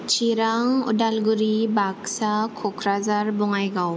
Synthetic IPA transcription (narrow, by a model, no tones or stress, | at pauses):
t͡ʃiɾaŋṵdalɡuɾibaɡsakʰɔkʰɾazaɾbɔŋajɡaw